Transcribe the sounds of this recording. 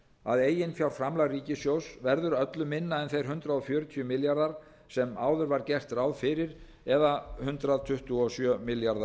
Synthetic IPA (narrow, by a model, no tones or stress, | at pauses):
a̰ðeːjɪnfjawɾ̥fɾamlaɣriːcɪsjowsvɛɾðʏɾœt̪lʏmːɪnːaɛnθejɾ̥ɦʏnt̪ɾaðɔfjœːɾʏt̪ʰiʏmɪljaɾðaɾ̥ | sɛmaːwðʏɾvaɾcɛr̥t̪raːwðfɪːɾɪɾ | ɛðahʏnt̪ɾaðt̪ʰʏht̪uɔsjœmɪljaɾðḁ